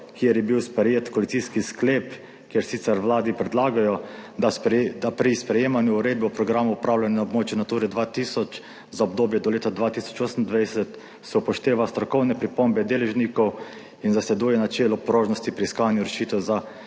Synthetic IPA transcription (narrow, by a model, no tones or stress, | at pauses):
kiɛɾjɛbiwspɾɛjeːt̪kɔlit̪iskiskleːp | kjeɾsiːt̪sɛɾʋlaːd̪ipɾɛd̪laːɡajɔad̪apɾispɾɛjeːmanjuːɾeːd̪̚bɛupɾɔɡɾaːmɔupɾaːwlʲanɛaɔbmoːt͡ʃjunat̪uːɾɛd̪ʋat̪isɔt͡ʃ | zaɔbd̪oːbjɛd̪ɔleːt̪ad̪ʋaːt̪iːsɔ̥t͡ʃoːsənnd̪ʋajsɛt̪ | sɛupɔʃt̪eːʋast̪ɾɔkɔwnɛpɾipombɛd̪eːlɛʒnikɔw | inzaslɛd̪ujɛnat͡ʃeːlɔpɾoːʒnɔst̪ipɾiskaːnjuɾɛʃiːt̪ɛwza